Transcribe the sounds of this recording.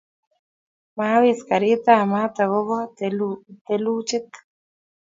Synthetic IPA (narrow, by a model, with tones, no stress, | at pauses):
maa˦wi˦ska˨ɾi˦t̪a˨ma˦t̪a˨ɣo˦ɣa˦ | t̪elu˦t͡ʃɪ˦t̪